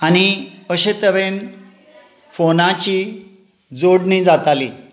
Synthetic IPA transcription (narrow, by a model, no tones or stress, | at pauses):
añiəɕet̪əʋen | fonat͡ɕiː | d͡zoɽniːd͡zat̪ali